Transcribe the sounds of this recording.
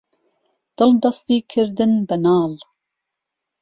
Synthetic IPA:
d̪̥ɨld̪ɑst̪iːkʰɨɾd̪ɨnbɛnɑːl

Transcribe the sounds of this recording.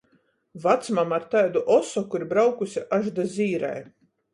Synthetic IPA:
vat̪smamaɾt̪ajd̪uʔɔsɔkuiɾbɾawkusiʔaʒd̪azʲiːɾa̰j

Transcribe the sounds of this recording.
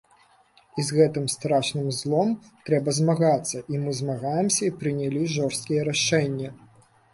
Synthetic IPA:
izɣɛt̪ɨmst̪ɾaʂnɨmzlˠɔm | t̪ɾɛbɐzmaɣat̪sːɐʔimɨzmaɣajɛmsʲɐipɾɨnʲalʲiʐɔrst̪kʲijɛɾaʂɛnʲːɐ

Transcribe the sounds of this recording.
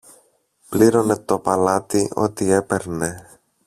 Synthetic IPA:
pliɾo̞ne̞t̪o̞pɐlɐt̪io̞t̪ie̞pe̞ɾne̞

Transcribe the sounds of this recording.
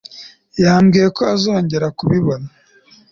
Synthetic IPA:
jaːmɡiːje̞ko̞azo̞ːɲɟe̞ɾakuβiβo̞na

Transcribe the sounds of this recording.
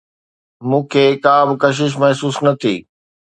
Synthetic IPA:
mũːkʰeːkaːbɪkɐʃ̬ɪʃ̬mɐɦsuːsnɐt̪ʰḭː

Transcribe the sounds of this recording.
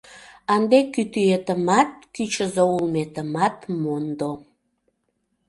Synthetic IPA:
ɑnd̪ekyt̪yet̪əmɑt̪̚kyt͡ɕəzoulmet̪əmɑt̪mond̪o

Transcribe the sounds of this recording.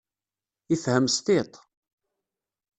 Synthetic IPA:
ifhəmst̪ɪt̪ˤ

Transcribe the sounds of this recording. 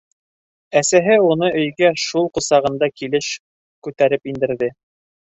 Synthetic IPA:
æsæɦɘunɤʔɵ̆jɡæʃulˠqŏsɑʁɤ̆nd̪ɑkilɘʃ | kʉt̪æɾɘpind̪ɘ̆ɾðɘ

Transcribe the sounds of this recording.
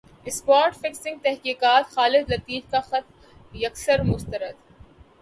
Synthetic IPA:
ɪspaːɾʈfɪksɪ̃ŋɡ̚t̪ɛɦkiːkaːt̪xaːlɪd̪lɐt̪iːd͡ʒkaxɐt̪ | jɐksəɾmʊst̪əɾəd̪

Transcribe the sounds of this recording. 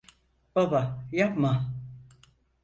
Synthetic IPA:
b̥abajapma

